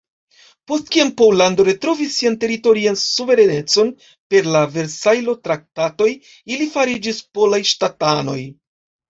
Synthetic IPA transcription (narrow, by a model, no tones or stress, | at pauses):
po̞st̚kiampowlando̞ɾe̞tɾo̞visːiante̞ɾito̞ɾiansuve̞ɾene̞t͡so̞n | pe̞ɾlave̞ɾsajlo̞tɾak̚tato̞j | ilifaɾid͡ʒispo̞lajʃtatano̞̰j